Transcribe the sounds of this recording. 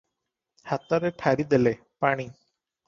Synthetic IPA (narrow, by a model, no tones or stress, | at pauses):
hat̪aɾeʈʰaɾid̪ele | paɽ̃i